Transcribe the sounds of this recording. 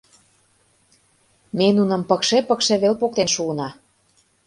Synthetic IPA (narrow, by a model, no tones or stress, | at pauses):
menunə̆mpəkʃepəkʃĕβelpok̚t̪enʃuɤnɑ